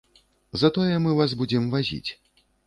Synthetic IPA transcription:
zɐt̪ɔjɛmɨvazbud͡zʲɛmvazʲḭt͡sʲ

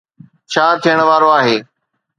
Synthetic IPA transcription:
t͡ʃʰaːt̪ʰijəɽ̃ʋaːɾoaːɦeː

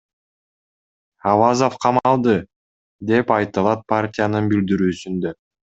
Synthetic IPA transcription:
ɑvazo̞fqʰɑmɑlˠd̪ɯ | d̪e̞pɑjt̪ɯlˠɑt̪̚partʲɪjanɯnbild̪iɾyːsynd̪ø

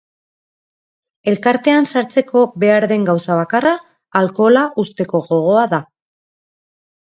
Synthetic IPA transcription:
e̞lkaɾt̪e̞ansaɾt͡se̞ko̞be̞aɾðe̞ŋɡawsaβ̞akaraː | lko̞laʔust̪e̞ko̞ɣo̞ɣ̞o̞aða

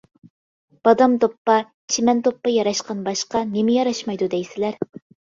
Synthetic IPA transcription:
b̥ɑd̪ɑmd̪opːɑ | t͡ʃʰimɛnd̪opːɑjɑɾɑʃqɑnbɑʃqɑnemɪjɑɾɑʃmɑjd̪ud̪ɛjsɪlæɾ

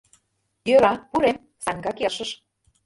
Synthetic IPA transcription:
jøɾɑpuɾem | sɑŋɡɑkeʃəʃ

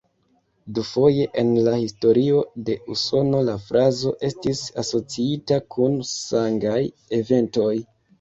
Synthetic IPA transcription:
dufo̞je̞ʔenlahisto̞ɾio̞de̞uso̞no̞lafɾazo̞ʔe̞stisaso̞t͡siitakʰunsaŋɡaj | e̞ve̞nto̞j

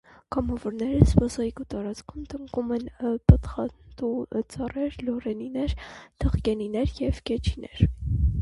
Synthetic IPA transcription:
kɑmɑvɔɾnɛɾəspɑzɑjkut̪ɑɾɑt͡skʰumt̪əŋkumɛnpət̪χɑt̪ut͡sɑrɛɾlɔɾɛninɛɾt̪ʰəχkɛninɛɾjɛvkɛt͡ʃʰinɛɾ

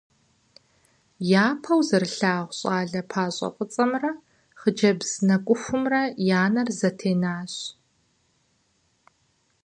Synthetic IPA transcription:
jaːpʰɐwzɐrɬaːʁʷɕʼaːɮɐpʰaːɕʼɐ̰qʼət͡sʼɐmrɐ | χəd͡ʒɐbz̥nɐkʷʼʊxʷʊmrɐjaːnɐrzɐtʰeːnaːɕ

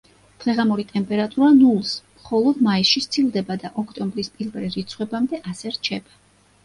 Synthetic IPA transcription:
d̪̥ʁɛʁamuɾit̪ʼɛmpʼɛɾat̪ʼuɾanulˠsmχɔlˠɔd̪maisʃist̪sʰilˠd̪ɛbad̪aʔɔkʰt̪ʼɔmbɾispʼilvɛɾɾit̪sʰχwɛbamd̪ɛʔasɛɾt͡ʃʰɛba

